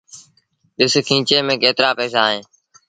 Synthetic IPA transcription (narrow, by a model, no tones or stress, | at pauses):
ɗɪskʰĩːt͡ʃeːmẽːkeːt̪ɾaːpɛːsaːɦẽː